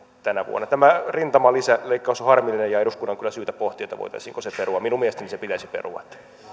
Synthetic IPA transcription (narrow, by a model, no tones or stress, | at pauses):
t̪ænæʋṵo̰nːˑɑt̪æmærint̪ɑmɑlisæleikːɑusohɑrmilːinejɑeduskunːɑŋkylːˑæsyːt̪æ̥poht̪iet̪ɑʋo̰it̪ɑ̰isiːŋkoseperuɑminumieest̪enisepit̪æisipḛrṵʋɑ̰t̪ː